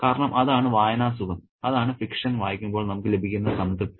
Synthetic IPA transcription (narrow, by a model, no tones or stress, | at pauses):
kaːɾɐɳɐmʔɐðaːɳɨʋaːjɐnaːsuɣɐm | ɐðaːɳɨfikʂɐnʋaːjikʲːumboːɭnɐmukːɨle̞bʱikʲːunːɐsɐnd̪ɨ